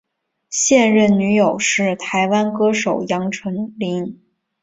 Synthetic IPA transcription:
ɕjɛ˥˧nɻə˥˩nny˧˥jo˨˩ʊʂɻ̩˥˩t̪ʰa˧˥ɪwa˥nkɤ˥ʂo˨˩ʊjɑ˧˥ŋʈ͡ʂʰɤ˧˥ŋli˧˥ŋ

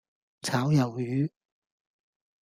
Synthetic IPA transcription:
t͡sʰaː˨˥wjɐ˨wjyː˨˧˥

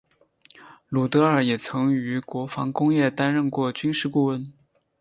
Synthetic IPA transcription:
lu˨˩t̪ɤ˧˥ə˞˨˩jɛ˨˩t͡sʰɤ˧˥ŋy˧˥kwɔ˧˥fɑ˧˥ŋkʊ˥ŋjɛ˥˩t̪a˥nɻə˥˧nkwɔ˥˩t͡ɕy˥nʂɻ̩˥˧ku˥˩wə˥n

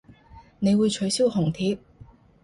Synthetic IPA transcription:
ne˨˧jwuː˨˧jt͡ʃʰɵ˨˥ɥsi˥whʊ˨˩ŋt̪ʰiː˨˥p̚

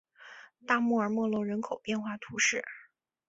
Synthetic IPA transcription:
t̪a˥˧mu˥˩ə˞˨˩mwɔ˥˧lwɔ˥˩ɻə˧˥nkʰo˨˩ʊpjɛ˥˧nxwa˥˩t̪ʰu˧˥ʂɻ̩˥˩

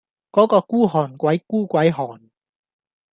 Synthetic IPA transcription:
kɔː˨˥kɔː˧kuː˥ɦɔː˨˩nkʷɐ˨˥jkuː˥kʷɐ˨˥jɦɔː˨˩n

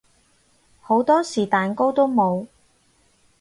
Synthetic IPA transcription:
ho˨˥wt̪ɔː˥siː˨˩t̪aː˨nko˥wt̪o˥wmo˨˧w

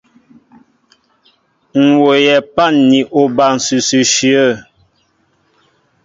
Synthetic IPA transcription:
ŋ̩˨wo˨jɛ˨pa˦˨nːi˨ʔo˨ba˨n̩˨sʉ˨sʉ˨ʃi˨ə˦˨

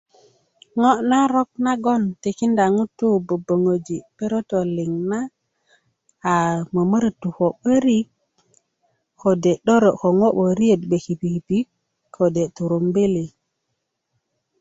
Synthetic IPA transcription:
ŋo˦na˦ɾo˦k̚na˦ɡo˦nte˨ki˦nda˨ŋu˦tːu˦bo˨bo˨ŋo˨d͡ʒi˨pe˦ɾo˦to˨li˨ŋna˦˨ | mə˨mə˦ɾtu˨ko˨ɓə˦ɾi˦k | ko˨de˨ɗo˦ɾo˨ko˨ŋo˦ɓo˨ɾi˦e˨t̚ɓe˨ki˨pi˨pi˦kʰː | o˨de˨tu˨ɾo˨mbe˦li˨

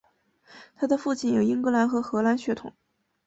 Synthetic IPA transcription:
t̪ʰa˥d̪ə˨fu˥˧t͡ɕʰi˥˩njo˨˩i˥ŋkɤ˧˥la˧˥nxɤ˧˥xɤ˧˥la˧˥nɕɥɛ˧˥t̪ʰʊ˨˩˦ŋ

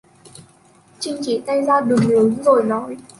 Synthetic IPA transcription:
t͡ɕï˧ŋt͡ɕḭ˧˨t̪a˧jzaː˧ɗɨ˨˩ŋlɨ˨˦nzo˨˩jnɔ˨˦j

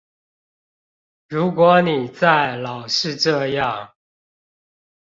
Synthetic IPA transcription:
ɻu˧˥kwɔ˧˥ni˨˩t͡sa˥˩ɪlɑ˨˩ʊʂɻ̩˥˧ʈ͡ʂɤ˥˧jɑ˥˨ŋ

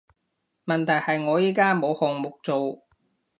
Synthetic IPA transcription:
mɐ˨nt̪ʰɐ˨˩jhɐ˨jŋɔː˨˧jiː˨˥kaː˥mo˨˧whɔː˨ŋmʊ˨k̚t͡so˨w

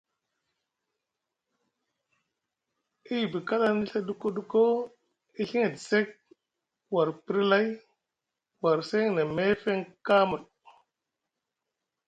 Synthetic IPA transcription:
i˦˨bi˨ka˦la˦ni˦ɬa˦du˦ko˦du˦ko˦ | i˦ɬi˦ŋe˨di˨se˦k̚ | wa˨ɾpi˦ɾi˦la˦j | wa˨ɾse˦ŋna˨me˦fe˦ŋka˦mu˨l

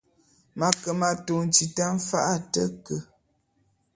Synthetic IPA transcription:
ma˨kə˨ma˨to˨n˨t͡ʃi˨ta˦m̩˦fa˦ʔa˦tə˦kə˨

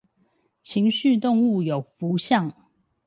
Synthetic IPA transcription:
t͡ɕʰi˧˥ŋɕy˥˧t̪ʊ˥˧ŋu˥˩jo˨˩ʊfu˧˥ɕjɑ˥˨ŋ

